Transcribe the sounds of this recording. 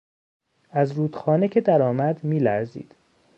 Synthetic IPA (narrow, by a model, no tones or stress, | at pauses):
æzɾuːd̪xɒːnecʰe̞d̪æɾɒːmæd̪miːlæɾzḭːd̪̥